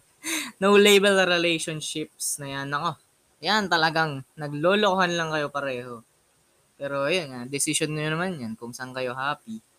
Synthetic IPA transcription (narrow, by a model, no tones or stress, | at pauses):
nowlejbɛlɾɛlejʃonʃɪp̚snɐjanɐko̞ | jant̪ɐlɐɡaŋnɐɡlo̞ːlokohanlɐŋkɐjo̞pɐɾɛːho̞ | pɛːɾo̞ʔɐjonad̪ɪsɪsonːojonɐmanjɐnkʊŋsɐŋkɐjo̞ɦaːpi